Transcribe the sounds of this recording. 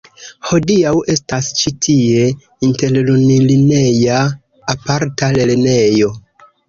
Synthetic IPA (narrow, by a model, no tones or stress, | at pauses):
ho̞diawe̞stast͡ʃitʰie̞ | inte̞ɾlunilinejaː | paɾtaleɾne̞jo̞